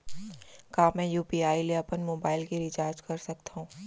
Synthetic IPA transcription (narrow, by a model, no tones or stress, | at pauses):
kaːmɛ̃ːjuːpiːaːiliɐpənmoːbaːɪlkiɾɪt͡ʃaːɾd͡ʒkɐɾsɐk̚t̪aɦũː